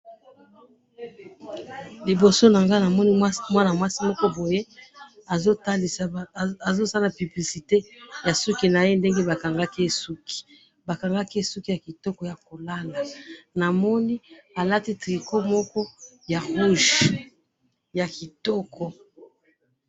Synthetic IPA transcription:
li˨bo˨so˦na˨ŋɡa˦na˨mɔ˦ni˦mwa˦na˨mwa˦si˦mɔ˦kɔ˦bo˨je˦a˨zo˦ta˦di˨sa˨a˨zo˦sa˦la˨py˨bli˨si˨te˦ja˨su˦ki˦na˨je˦nde˦ŋɡe˦ba˨ka˨ŋɡa˦ki˦e˦su˦ki̥˨ | ba˨ka˨ŋɡa˦ki˦e˦su˦ki˦ja˨ki˨tɔ˦kɔ˨˦ja˨ko˨la˦la˨na˨mɔ˦ni˦a˨la˦ti˦tʁi˨ko˦mɔ˦kɔ˦ | ja˨ʁu˦ʒ | ja˨ki˨tɔ˦kɔ˨

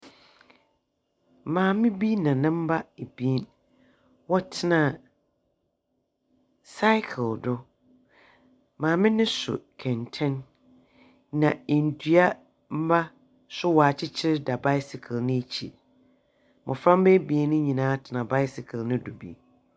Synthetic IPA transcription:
mãː˨mɪ̃˦bi˦nã˨nɪ̃˦m̩˦ba˦e˨bi˨e˦n | wɔ˦tʰɪ˦nã˨ | sa˦ɪ˦kʰɪ˨ldʊ˦ | mãː˨mɪ̃˦nɪ̃˦sʊ̰˨kʰɛ̃˨ntʰɛ̃˦n | nã˨e˨n̩˨tʰu˦a˦ | m̩˦ba˦ | sʊ˦wɔ˨a˨t͡ɕʰɪ˦t͡ɕʰɪ˦ɾɪ˦da˨ba˦ɪ˦sɪ˨kʰlnɪ̃˦e˦t͡ɕʰḭ˨ | mʔʊ̃˨fɾã˦m˦bɛ˦bi˨e˦nʊ̃˦ɲĩ˨nãː˨˦tʰɪ˨nã˨ba˦ɪ˦sɪ˨kʰlnʊ̃˦dʊ˨bḭ˨˦

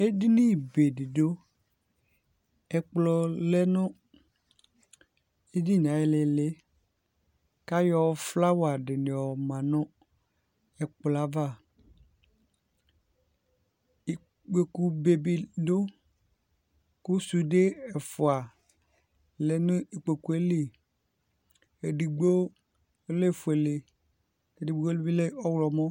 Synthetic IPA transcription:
e˦dɪ˦ni˦˨be˨dɪ˨do˦ | ɛ˨k͡plɔ˨lɛ˦nʊ̃˦ | e˦di˦˨n˨ã˨˦ɛ˦lɪ˨le˦ | ka˦jɔ˦fla˦wa˨ɖɪ˨nɪ̃˨ɔ˨mã˨nʊ̃˦ | ɛ˨k͡pla˨va˦˨ | i˨ | ɡ͡be˨ku˨be˨bi˨do˦ | kʊ˦su˨de˦ɛ˨fʊ˨a˨ | le˨nʊ̃˦i˨k͡pe˨ku˨e˦le˨ | e˨di˨ɡ͡bo˦ | le˦˨fʊ˨e˨le˨ | e˨di˨ɡ͡bo˦lbi˦le˦ɔ˦wlɔ˨mɔ̃˦

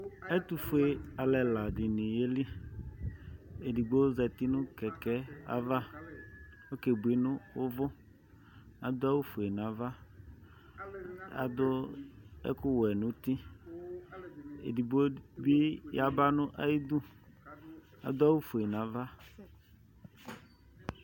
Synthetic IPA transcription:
ɛ˦t̪u˨fʊ˨˦e˨a˨lɛ˨la˨dɪ˨nĩ˨je˦li˦ | e˨di˨ɡ͡bo˦zɛ˨t̪ɪ˦nʊ̃˦kɛ˨kɛ˦a̰˦va˦ | wo˦ke˨bu˨e˦nʊ̃˦wʊ˦vʊ˦ | a˨d̪ʊ˦a˦wu˦fʊ˨e˨nã˨va˦ | a̰˨d̪ʊ˦ɛ̰˦kʊ˦wɛ˨nʊ̃˦t̪i˦ | ḛ˨di˨ɡ͡bo˦bi˦ja˦ba˦nʊ̃˦ʔa˦ji˦d̪u˦ | a̰˨d̪ʊ˦a˦wu˦fu˨e˨nã˨˦va˦

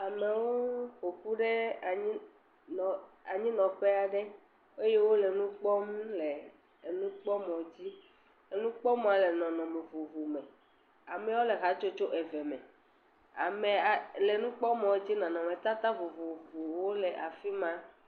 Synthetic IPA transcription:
a˨me˨wo˦xo˨ku˦ɖe˦a˨ɲĩ˦˨ | a˨ɲĩ˦nɔ̃˨ɸɛ˦a˨ɖɛ˦ | e˦je˦wo˦lɛ˨nũ˦k͡pɔ˦m˦lɛ˨ | nũ˦k͡pɔ˦mɔ̃˨d͡ʑi˦ | e˦nũ˦k͡pɔ˦m˦ã˨lɛ˨nɔ̃˨nɔ̃˨me˨vo˨vo˨mɛ̃˨ | a˨mɛ˨˦wo˦le˨ɣa˨t͡ʃo˦t͡ʃo˦ʔɛ˨vɛ˨mɛ̃˨ | a˨me˨a˨lɛ˨nũ˦k͡pɔ˦mɔ̃˨˦d͡ʑi˦nɔ̃˨nɔ̃˨mẽ˨t̪a˦t̪a˦vo˨vo˨vo˨wo˦lɛ˨ʔa˨fi˦mã˦

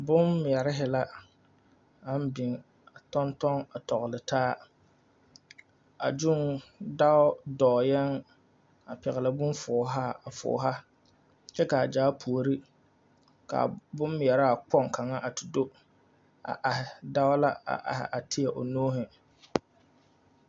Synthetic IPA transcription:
bʊ˦mː˨ɛ˨ɾɪ˦ɦɪ˨la˦ | a˦m˦bɪ˨ŋ | a˨tɔ˦ntɔ˦ŋa˨tɔ˨ɣʊ˨lɪ˨taː˦ | a˨d͡ʒʊ˦ŋda˦ʊ˦dɔː˨jɛ˦ŋ | a˨pɛ˨ɣɪ˨la˦bʊ˦nfɔː˨˦ɦa˦a˨fʊ̰ː˨˦ɦa˦ | t͡ʃɛ˦ka˨a˨d͡ʒaː˨˦pʰu˨o˨ɾi˦ | ka̰˨bʊ˦m˨ɛ˨ɾa˦a˨k͡pɔ˦˨ŋka˨ŋa˦ʔa˨tɪ˨do˦ | a̰˨ʔa˨ɦɪ˨da˦ʊ˦la˦a̰˨ʔa̰˨hɪ̰˨ʔa˨tʰɪ˦ɛ˨ʔo˨noː˦ɦɪ˨

